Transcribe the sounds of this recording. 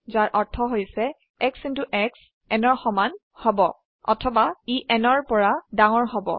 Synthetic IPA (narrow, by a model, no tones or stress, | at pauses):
zaɹʔɔɹtʰɔɦojsɛ | ɛksintuʔɛks | ɛnɔɹxɔman | hɔbɔ | ɔ̰tʰɔbaiʔɛnɔɹpɔɹadaŋɔɹɦɔbɔ̰